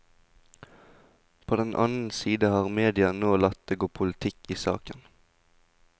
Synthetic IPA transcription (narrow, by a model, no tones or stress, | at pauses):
pʰoːd̪ɛnʔɑ̰nn̩siːd̪əhɑːʁmeːd̪ɪɑnoːlɑt̪̚d̪eɡʊːpʰʊlɪt̪ʰɪkiːsɑ̰ːkən